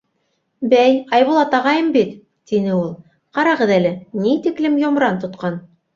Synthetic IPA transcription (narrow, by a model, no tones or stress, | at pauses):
bæjɑjβulˠɑt̪ɑʁɑjɤmbit̪ | t̪inɘulˠ | qɑɾɑʁɤðælɘnit̪iklɘmjŏmɾɑnt̪ŏt̪qɑn